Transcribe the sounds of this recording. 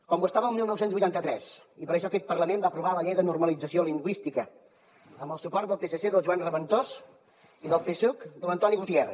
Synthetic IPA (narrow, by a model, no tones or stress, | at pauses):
kɔmwuəst̪aβəlˠmilˠnɔwsenzβujt̪ant̪ət̪ɾɛs | ipəɾəʃ̬ɔkɛt̪̚pərləmembaəpɾuβaləʎɛjðənurməlid͡zəsioliŋɡwist̪ikə | əmbəlˠsupɔɾt̪d̪əlˠpesəseðəlˠʒuanrəβənt̪os | iðəlˠpesukd̪uənt̪ɔniɣut̪ier